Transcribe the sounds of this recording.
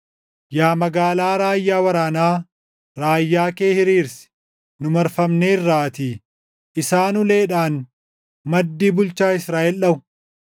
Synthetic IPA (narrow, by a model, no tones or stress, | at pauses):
jaːmɐɡaːlaːɾaːjːaːwɐɾaːnaː | ɾaːjːaːke̞ːhɪɾiːɾsɪ̥ | nʊmɐɾfɐmneːɪrːaːt̪iː | ʔɪsaːnʊle̞ːᶑaːn | mɐd̪ːiːbʊlt͡ʃaːɪsɾaːʔɛlᶑɐʊ